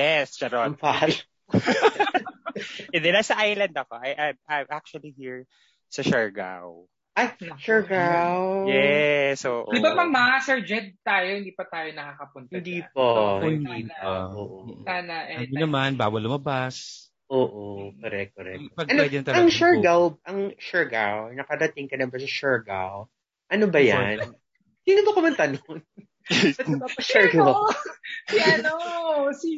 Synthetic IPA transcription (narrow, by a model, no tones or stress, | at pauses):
jɛsd͡ʒɛɾompa | ʔɛ̃nd̪ɛnasɐʔajlɐnd̪ɐkoʔajʔajajmak̚t͡ʃʊɐlihiɹ | sɐʃɛɹɡa̰w | ʔajθɪ̃ŋkʃɛɹɡawjɛsʔoːʔoɪbapɐŋmɐasɛɹd͡ʒɛd̪̚t̪aːjohɪnd̪iːpɐt̪aːjonɐkakɐpʊnt̪ɪɐnd̪iːpoʔhɪnd̪iːoːʔosaːnɐʔɛɐonɐmanbaːwɐlʊmɐbas | ʔoːʔokɐɾɛ̰k̚ːoɾɛ̰k̚ːpɐɡʔɐnoɐt̪ɐɐŋʃɛɹɡawʔɐŋʃɛɹɡawnɐkɐɾɐt̪ɪŋkɐnɐbɐsɐʃɛɹɡa̰w | ʔɐnobɐja̰n | siːnodɐkomɐnt̪ɐnon | pɐt̪ɐbapɐʃɛɹɡa | jnosi